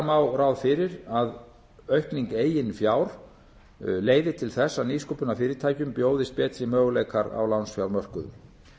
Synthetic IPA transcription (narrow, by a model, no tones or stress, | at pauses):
mawrawðfɪɾɪɾað | œɥhpniŋkeːjɪnfjawɾ̥ | leːjðɪt̪ʰɪlθɛsːaniskupʏnafɪːɾɪt̪ʰaːjcʏmpjoːwðɪst̪̚pɛːt̪ɾimœːɣleːjkaɾa̰wlawnsfjawɾmœr̥kʏðʏ̰m